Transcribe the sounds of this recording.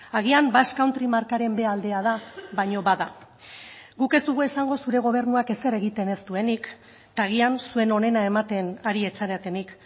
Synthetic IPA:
aɣ̞iambaskawnt̪ɾimaɾkaɾe̞mbe̞ald̪e̞að̞aβaɲo̞βaða | ɡuke̞szt̪uɣ̞ue̞saŋɡo̞suɾe̞ɣ̞o̞β̞e̞ɾnuake̞se̞ɾe̞ɣ̞it̪e̞ne̞st̪ue̞nik | t̪aɣ̞iansue̞no̞ne̞nae̞mat̪e̞naɾie̞t͡saɾeat̪e̞nik

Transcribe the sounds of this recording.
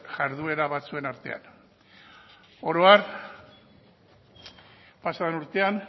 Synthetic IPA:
ʝaɾðue̞ɾaβat͡sue̞naɾt̪e̞̰a̰n | o̞ɾoar | pasaðenuɾt̪e̞an

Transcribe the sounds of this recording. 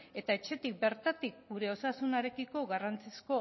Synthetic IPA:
e̞t̪aet͡ʃe̞t̪ik̚be̞ɾt̪at̪ik̚ɡuɾe̞o̞sasunaɾe̞kiko̞ɣarant͡sisko̞

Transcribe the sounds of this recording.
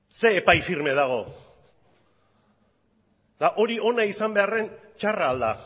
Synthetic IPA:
se̞ːpajfiɾme̞ð̞aɣ̞o̞ | ðaʔo̞ɾio̞naisambe̞are̞nt͡ʃaraːld̪a

